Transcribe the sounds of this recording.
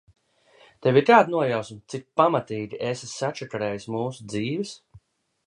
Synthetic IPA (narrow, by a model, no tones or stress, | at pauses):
t̪ɛviɾkaːd̪nuɔjawsmt̪sik̚pamat̪iːɡʲiʔesisat͡ʃɛkaɾɛːjsmuːsud̪ziːvɨs